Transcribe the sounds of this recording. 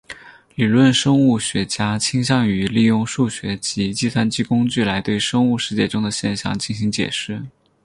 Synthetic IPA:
li˨˩lwə˥˩nʂɤ˥ŋu˥˩ɕɥɛ˧˥t͡ɕja˥t͡ɕʰi˥ŋɕjɑ˥˩ŋy˧˥li˥˧jʊ˥˧ŋʂu˥˩ɕɥɛ˧˥t͡ɕi˧˥t͡ɕi˥˧t̪ʰwa˥nt͡ɕi˥˩kʊ˥ŋt͡ɕy˥˩la˧˥ɪt̪we˥˧˩ɪʂɤ˥ŋu˥˧ʂɻ̩˥˧t͡ɕjɛ˥˧ʈ͡ʂʊ˥ŋd̪ə˨ɕjɛ˥˧nɕjɑ̰˥˧ŋt͡ɕi˥˩nɕi˧˥ŋt͡ɕjɛ̰˨˩ʂɻ̩˥˩

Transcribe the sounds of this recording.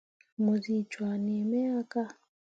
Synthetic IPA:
mo˨zi˦˨t͡ʃwa˨ne˨mɛ˦a˦ka˦

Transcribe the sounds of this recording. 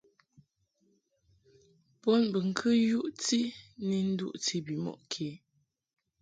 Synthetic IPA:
pɔ˦nbə˨ŋ̩˨kʰɨ˦ju˦ʔti˦ni˦n̩˦dṵ˦˨ʔti˦bi˨mɔ̰˨ʔkʰe˨˦

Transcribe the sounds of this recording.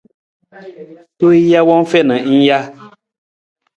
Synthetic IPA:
to˦i˦ja˦wɔ˦ŋ˦fɛ˦˨nə˨˦n̩˦ja˦

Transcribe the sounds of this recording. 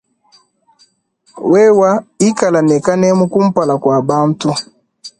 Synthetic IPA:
wɛ˦wa˦i˦ka˨la˨nɛ˨ka˦nɛ˦mu˦ku˦m̩˦pa˨la˨kwa˨ba˦n˦tu˦

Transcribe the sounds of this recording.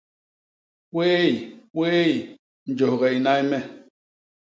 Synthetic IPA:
kweː˦i˨kwe˦i˨ | n̩˨d͡ʒo˨ɣɛ˨i˨na˦i˦mɛ˦

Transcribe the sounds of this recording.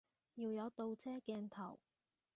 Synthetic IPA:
jiː˧wjɐ˨˧wt̪o˧wt͡sʰɛː˥kɛː˧nt̪ʰɐ̰˨˩w

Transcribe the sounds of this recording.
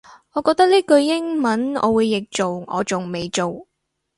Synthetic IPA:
ŋɔː˨˧kɔː˧k̚t̪ɐ˥k̚liː˥kɵ˧ɥjɪ˥ŋmɐ˨˥nɔ̰ː˨˧wuː˨˧jːɪ˨k̚t͡so˨wŋɔ̰ː˨˧t͡sʊ˨ŋme˨jt͡so˨w

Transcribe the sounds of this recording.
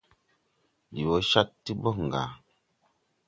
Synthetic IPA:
ji˨wo˨˦ʃa˦ttːi˦bɔ˦˨ŋ̩˨ɡa̰˨

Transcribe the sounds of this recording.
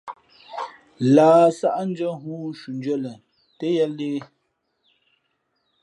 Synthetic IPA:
laː˨˦sa˦ʔa˦n̩˦d͡ʒə˦ɦuː˦ʃu˨n˦d͡ʒɥɛ˦lə˨ | te˦jɛ˦leː˦

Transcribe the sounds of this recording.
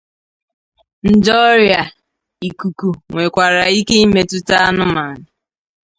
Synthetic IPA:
n̩˨d͡ʒɔ˦ɾja˨ | i˨ku˨ku˨ŋʷe˨kʷa˨ɾa˨i˦ke˦i˦me˨tʊ˦ta˦a˦nʊ˦ma˨nɪ˨

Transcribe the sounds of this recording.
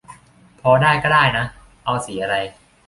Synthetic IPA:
pʰɔː˧daː˥˩jkɔː˥˩daː˥˩jna˦˥ | ʔa˧wsiː˩˦ʔa˧ɾa˧j

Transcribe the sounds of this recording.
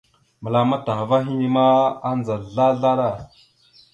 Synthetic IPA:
mə˨la˨ma˦ta˨ɣva˦ɦi˦ni˦ma˦a˦nd͡za˨ɮa˦ɮa˦ɾa˦˨

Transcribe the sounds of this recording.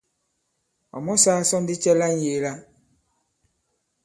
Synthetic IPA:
ɔ̰˨mɔ˦saː˦sɔ˦n˦di˦t͡ʃɛ˦la˦ɲ̩˦je˨la˦

